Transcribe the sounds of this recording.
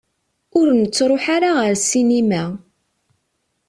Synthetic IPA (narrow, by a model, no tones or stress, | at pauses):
ʊɾnət͡sːɾˤoħaɾaʁəɾsinimæ